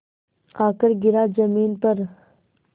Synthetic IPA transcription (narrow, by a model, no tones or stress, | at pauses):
aːkəɾɡɪɾad͡ʒɐmiːnpɐɾ